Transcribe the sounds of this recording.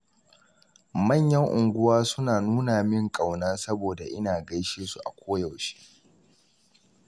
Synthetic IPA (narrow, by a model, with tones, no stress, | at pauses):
mɐ˦˨ɲjɐ˦ŋʔʊ˨ŋɡʷʊ˦waː˦sʊ˦naː˨nuː˦na˨mɪ˦ŋkʼɐ˨wnaː˦sɐ˦boː˨da˨ʔɪ˦naː˨ɡɐ˦jʃeː˦su˨ʔa˨kʷʰoː˦jɐ˨wʃe̥ː˦